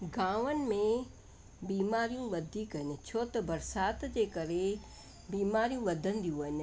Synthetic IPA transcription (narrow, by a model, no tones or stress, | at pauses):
ɡãːʋənɪ̆mẽ | biːmaːɾijũʋɐd̪ʱiːkɦəɪnɪ̆t͡ɕʰoːt̪ɐbɐɾsaːt̪d͡ʑeːkɐɾe | biːmaːɾijũʋɐd̪ʱə̃nd̪ijũʋəɦɪn̆